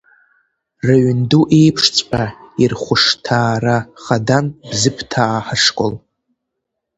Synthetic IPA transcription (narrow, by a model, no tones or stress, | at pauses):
raɥnduʔe̞jpʰʂt͡sʼpʼairχʷʊʂtʰaːraχadanb̥zɨpʰtʰaːħaʂkʼo̰l